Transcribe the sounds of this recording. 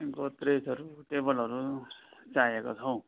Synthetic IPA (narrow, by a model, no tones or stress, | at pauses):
iŋkot̪ɾesʌɾuʈebʌlʌɾut͡sajekot͡sʰʌw̃